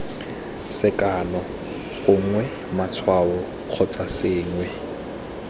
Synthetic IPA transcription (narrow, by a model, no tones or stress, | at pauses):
sɪkʼanɔ | ɣʊŋ̩ŋwɛ | mat͡sʰwaɔ | q͡χʰɔt͡sʼasɪːŋwɛ